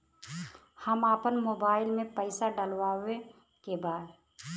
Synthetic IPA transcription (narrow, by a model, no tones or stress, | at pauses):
həmaːpənmoːbaːɪlmẽpəɪsaɖəlwaʊe | kebaːd̪